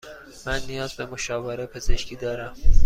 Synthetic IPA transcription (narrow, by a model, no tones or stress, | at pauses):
mænːijɒːzbemoʃɒːveɾepʰezeʃkʰiːd̪ɒːɾæm